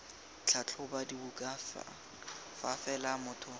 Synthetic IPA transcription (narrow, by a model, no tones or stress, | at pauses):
t͡ɬʰat͡ɬʰʊbadibukʼafa̰ | fafɛlamʊːtʰʊ